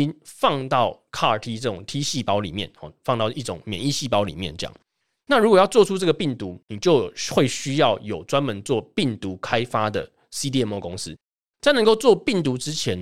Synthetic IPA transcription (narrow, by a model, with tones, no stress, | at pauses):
i˦nfɑ˥˧ŋt̪ɑ˥˨ʊkʰa˥˩ə˨˩t̪ʰi˥ʈ͡ʂɤ˥˩ʈ͡ʂʊ˨˩ŋt̪ʰi˦˥ɕi˥˩pɑ˥ʊlḭ˨˩mjɛ̰˥˨nɔ̰˨˩fɑ˥˧ŋt̪ɑ˥˩ʊʔi˥˩ʈ͡ʂʊ˨˦ŋmjɛ̰˨˦ni˥˧ɕi˥˩pɑ˥ʊlḭ˨˩mjɛ˥˨nt͡ɕjɑ̰˨˩˦ŋ | na˥˨ɻu˧˥kwɔ˨˩jɑ˥˧ʊt͡swɔ˥˨˩ʈ͡ʂʰu˥˦ʈ͡ʂɤ˥˩ɡə˩pi˥˩ŋt̪u˨˦ni˨˩t͡ɕjo˥˧ʊxwe˥˩ɪɕy˥jɑ˥˨ʊjo˨˩ʊt͡swa˦nmə˨˦nt͡swɔ˥˨pi˥˩ŋt̪u˨˦kʰa˥ɪfa˦d̪ə̰˨ | si˥t̪̬i˧ɛ˥˧mwɔ˥˩ko˦ŋs̩˦ | t͡sa˥˧ɪnə˧˦ŋko˥˧ʊt͡swɔ˥˨pi˥˩ŋt̪u˨˧˦ʈ͡ʂɻ̩˦t͡ɕʰjɛ˨˦n